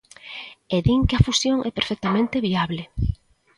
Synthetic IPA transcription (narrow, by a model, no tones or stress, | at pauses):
eðiŋkɪafusjoŋʔɛpeɾfɛk̚t̪amẽnt̪ɪβiaβlɪ